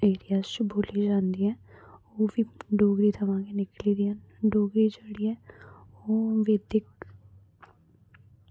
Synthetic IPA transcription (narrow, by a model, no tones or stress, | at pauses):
eːɾijaːzt͡ʃboːliːd͡ʒãːnd̪iːɦɛːoːʋiːɖoːɡɾiːt̪ʰəʋãːɡeːnɪkliːd̪iːɛ̃ː | ɖoːɡɾiːd͡ʒəɽiːɛː | oːʋeːd̪ɪk̚